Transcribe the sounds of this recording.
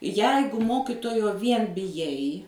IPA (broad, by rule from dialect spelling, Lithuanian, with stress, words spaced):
ˈjɛɪɡʊ ˈmoːkʲɪtoːjoː ˈʋʲiɛn bʲɪˈjɛɪ